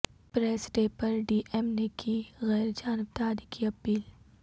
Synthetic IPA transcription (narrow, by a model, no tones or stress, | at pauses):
pɾeːsɖeːpɐɾɖiːʔemnekʰiɣɛːɾd͡ʒaːnbt̪aːd̪ikiɐpiːl